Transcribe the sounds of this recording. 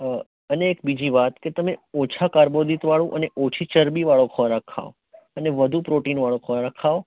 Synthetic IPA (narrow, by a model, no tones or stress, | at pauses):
əneːkbid͡ʒiʋat̪ket̪əmeot͡ʃʰakaɾbod̪it̪ʋaɭũʔəneʔot͡ʃʰit͡ʃəɾbiʋaɭokʰɔɾakʰa̰ʋo | əneʋəd̪ʱupɾoʈinʋaɭõkʰɔaɾakʰaʋo